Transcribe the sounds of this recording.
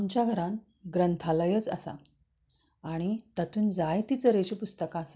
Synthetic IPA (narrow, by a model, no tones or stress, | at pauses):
amt͡ɕjaɡʱəɾãn | ɡɾənt̪ʰaləjət͡səsa̰ | aɽ̃it̪at̪ʰuːnd͡zajt̪it͡səɾeɕipust̪əkaːsḁ